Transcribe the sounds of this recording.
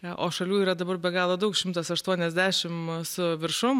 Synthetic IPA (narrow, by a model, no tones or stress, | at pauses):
ʔoːʃɐlʲuːiːɾɐd̪ɐbɐrbʲɛɡɑːlˠoːd̪ɐʊkʃʲɪmt̪ɐsɐʃt̪uɔnʲɛzʲd̪ʲæːʃʲɪmsʊʋʲɪɾʃʊm